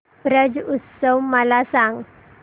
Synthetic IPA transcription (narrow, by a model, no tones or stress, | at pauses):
bɾəd͡zut̪səwməlasãŋɡ